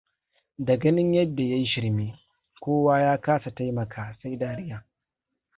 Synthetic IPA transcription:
dɐ˨ɡɐ˦nɪ˦ɲjɐ˦dːa˨ja˦ji˦ʃɪ˦ɽmiː˦ | kʷoː˦waː˦jaː˦kaː˦sa˨ta˦jmɐ˨kʰaː˨sa˦jdaː˦ɽɪ˦jaː˨

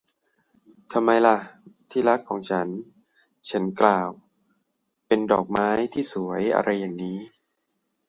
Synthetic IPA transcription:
t̪ʰa˧mːa˧jla˧˩ʔt̪ʰiː˥˩la˦˥kʰːɔː˩˦ŋt͡ɕʰa˦˥n | t͡ɕʰa˦˥nklaː˧˩w | pe˧ndɔː˨˩k̚maː˦˥jt̪ʰiː˥˩su˨˩˦ɐjʔa̰˧ɾʔa˧jːaː˨˩ŋniː˦˥

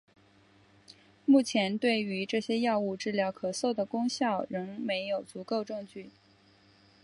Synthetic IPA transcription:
mu˥˩t͡ɕʰjɛ˧˥nt̪we˥˩ɪy˧˥ʈ͡ʂɤ˥˩ɕjɛ˥jɑ˥˧ʊu˥˧ʈ͡ʂɻ̩˥˧ljɑ˥˩ʊkʰɤ˨˩so˥˩ʊd̪ə˩kʊ˥ŋɕjɑ˥˩ʊɻɤ˧˥ŋme˧˥ɪjo˨˩ʊt͡su˧˥ko˥˧ʊʈ͡ʂɤ˥˧ŋt͡ɕy˥˩

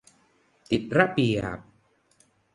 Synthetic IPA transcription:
t̪i˨˩t̪̚ɾa˦˥pi˨˩p̚

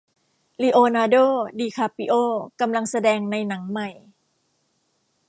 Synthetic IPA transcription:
li˧ʔoː˧naː˧doː˥˩˨diː˧kʰaː˧pi˧ʔoː˥˩ka˧mla˧ŋsa˧dɛː˧ŋna˧jna˩˦ŋma˧˩j

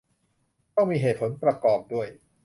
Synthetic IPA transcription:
t̪ɔ˥˩ŋmiː˧ɦeː˨˩t̪̚pʰo˩˦npɾa˧kɔː˨˩p̚du˥˩əj

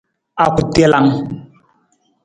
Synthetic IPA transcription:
a˨ku˨te˦la˦ŋ

